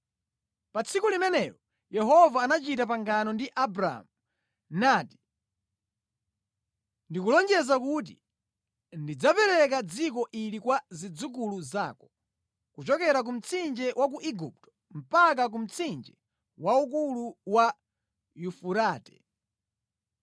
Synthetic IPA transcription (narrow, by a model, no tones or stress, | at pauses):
pat͡sʰikulimɛnɛjɔ | jɛɦɔvaːnat͡ʃitap̬aŋɡanɔndiʔabɾ̰mu | naːti̥ | ndikulɔnd͡ʒɛzak̬ut̬i | ndid͡zapɛɾɛk̬ad͡zik̬ɔʔilikwazid͡zuk̬uluza̰ːkɔ | kut͡ʃɔkɛɾak̬um̩t͡sʰind͡ʒɛwak̬uʔiɡup̚tɔ̥ | m̩pak̬ak̬um̩t͡sʰind͡ʒɛ | waukuluwa | jufuɾaːtɛ̥